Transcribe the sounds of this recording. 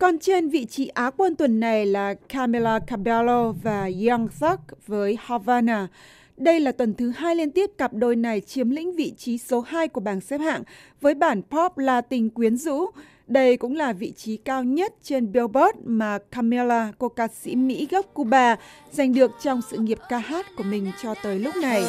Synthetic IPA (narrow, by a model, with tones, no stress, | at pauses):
kɔ˨˩nt͡ɕe˧nvḭ˧˨t͡ɕi˨˦ʔaː˨˦kwə˧nt̪wə˨˩nːa˨˩jlaː˨˩kʰaː˧mi˧laː˧ka˧ɓa˧lo˧vaː˨˩ɣa˧ŋsɔ˦˥k̚vəː˨˦jhɔ˧vaː˧naː˧˩ | ɗə˧jlaː˨˩t̪wə˨˩nt̪ʰɨ˨˦haː˧jli˧nt̪i˦˥əp̚ka˨˩p̚ɗo˧˩jna˨˩jt͡ɕi˨˦əmlḭ̈˧˥ŋ̟vḭ˧˨t͡ɕi˨˦so˨˦haː˧jku˧˩əɓaː˧˩nsɛ˦˥p̚ha̰ː˧˨ŋvəː˨˦jɓaː˧˩npʰɔ˦˥p̚laː˧t̪ï˨˩ŋ̟kwi˨˦ənzṵ˧˥ | ɗə˧jkʊ̰˧˥ŋ͡mlaː˨˩vḭ˧˨t͡ɕi˨˦kaː˧wɲə˦˥t̚t͡ɕe˧nɓe˧bɔ˦˥t̚maː˨˩kʰa˧mi˧laː˧ko˧kaː˨˧˩t̚sḭ˧˥mḭ˧˥ɣə˦˥p̚ku˧ɓaː˧ | za˨˩jŋ̟ɗɨ˨˩ək̚t͡ɕɔ˧wŋ͡msɨ̰˧˨ŋi˨˩əp̚kaː˧haː˦˥t̚ku˧˩əmï˨˩ŋ̟t͡ɕɔ˧t̪əː˨˦jlʊ˦˥k͡p̚na˨˩j